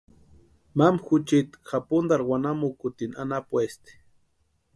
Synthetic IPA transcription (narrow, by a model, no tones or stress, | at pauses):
mamxut͡ʃit̪xapund̪aɾwanamukut̪ina̰napwest̪i̥